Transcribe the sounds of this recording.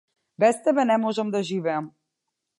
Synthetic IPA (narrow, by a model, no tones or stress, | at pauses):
bɛst̪ɛbɛnɛmɔʒɛmd̪aʒivɛam